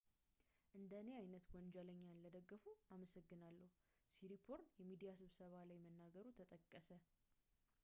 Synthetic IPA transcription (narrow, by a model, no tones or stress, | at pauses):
ʔɨnd̪əne̞ajnət̪wɔnd͡ʒələɲːanləd̪əɡːəfuaməsəɡːɨnalːəhu | siɾipʰoɾjɛmid̪ijasɨβsəβalajmənːaɡəɾut̪ʰət̪ʼəkʼːəsə